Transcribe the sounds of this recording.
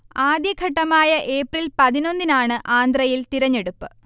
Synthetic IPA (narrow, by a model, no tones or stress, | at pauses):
aːd̪jɐɡʱɐʈːɐmaːjɐʔe̞ːprilpɐðino̞nd̪inaːɳɨʔaːnd̪rɐjilt̪iɾɐɲːeɽupːɨ